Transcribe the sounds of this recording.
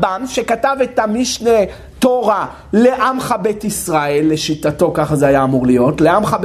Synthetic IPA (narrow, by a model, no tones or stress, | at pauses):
banʃekatavetamiʃne | toʁa | le̞ʔamχabetisʁae̞lːe̞ʃitato̞kaχazeajaːmuʁlijo̞tle̞amχab